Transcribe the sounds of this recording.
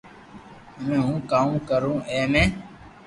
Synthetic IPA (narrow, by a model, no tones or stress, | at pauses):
ɦəmẽːɦũːkaːũkəɾũːʔeːmẽː